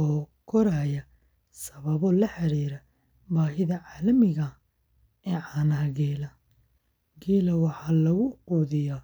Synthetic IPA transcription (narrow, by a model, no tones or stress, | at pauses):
ɔːkʰɔɾaːjɐ | sɐβɐβɔlɐħɑɾiːɾɐ | baːɦɪðɐʕɑːlɐmɪɣɐ | ɛːʕɑːnɐɦɐɡɛːlɐ | ɡɛːlɐwɑħɑːlɐɣʊquːðɪja